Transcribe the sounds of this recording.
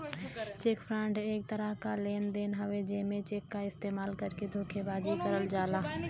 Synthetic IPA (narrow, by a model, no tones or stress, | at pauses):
t͡ʃeːkpʰɾãːɳɖeːk̚t̪əɾəɦkaleːnd̪eːnɦɐʋed͡ʒeːmẽt͡ʃeːkːaɪst̪eːmaːlkɐɾked̪ʱoːkʰebaːd͡ʒikɐɾəld͡ʒaːlaː